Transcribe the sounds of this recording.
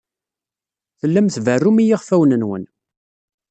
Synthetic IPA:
θəlːæmθvərːumijiʁfæwnənwə̰n

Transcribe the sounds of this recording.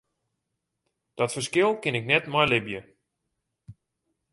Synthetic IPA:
d̥ɔtfəskɪlˠkɪnɪknɛtmɔjlɪbjə

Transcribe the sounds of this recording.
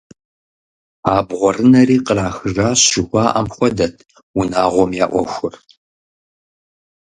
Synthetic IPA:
aːbʁʷɔrɨnɐɾiːqəraːxɨʐaːɕɪxʷɑːʔɐmxʷɔdɐtʰ | wunaːʁʷɔmjaːʔʷɔxʷʊr

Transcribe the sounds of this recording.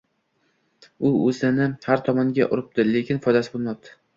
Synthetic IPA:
ʊɵzɪnɪhaɾt̪ʰɒmɒŋɡʲa̰ʔʊ̰ɾɪp̚t̪ɪlekʲɪnfɒjd̪asɪbolˠmɒp̚t̪ʰɪ̥

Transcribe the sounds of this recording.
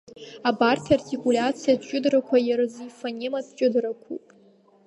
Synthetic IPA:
abartʰartʰikʰʼulʲat͡sʰijadʰt͡ʃʷʼʊdrakʷʰajɪrɨzifanʲemadʰt͡ʃʷʼɪdɾakʷʰṵpʼ

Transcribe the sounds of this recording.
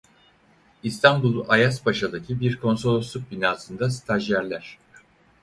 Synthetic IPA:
ist̪ʰanbulˠajasbaʃad̪acʰibiɾkʰo̞nso̞lʲˠosuk̚binaːsɯnd̪ast̪ʰaʒjæɾlʲæɾ̝̥

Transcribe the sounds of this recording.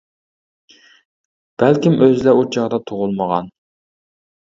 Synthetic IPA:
b̥ælkʲimʔøzɪlɛut͡ʃʰɑʁd̪ɑt̪ʰoʁʊlˠməʁɑn

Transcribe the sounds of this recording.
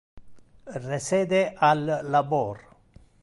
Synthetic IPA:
reseːd̪eʔalːaboːr

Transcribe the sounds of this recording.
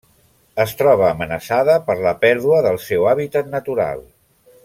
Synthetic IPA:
əst̪ɾɔβ̞əːmənəsaðəpəɾləpɛɾðuəðəlˠsɛwaβit̪ət̪nət̪uɾa̰lˠ

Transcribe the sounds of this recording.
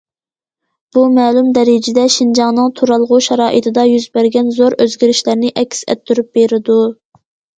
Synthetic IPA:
b̥umɛːlumd̪ɛɾɪd͡ʒɪd̪ɛʃind͡ʒɑŋnɨŋt̪ʰuɾɑlˠʁuʃɛɾɑːʔɨt̪ʰɪd̪ɑjyzbæɾɡʲɛnzoɾøzɡʲiɾɪʃlæɾnɪʔɛkʲʰːsɛ̰t̪ʰːyɾyp̚beɾɪd̪u

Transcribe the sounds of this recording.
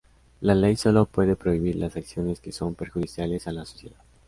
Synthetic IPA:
lale̞jso̞lo̞pwe̞ðe̞pɾo̞iβ̞iɾlasaksjo̞ne̞ske̞so̞mpe̞ɾxuðisjale̞salaso̞sje̞ðað

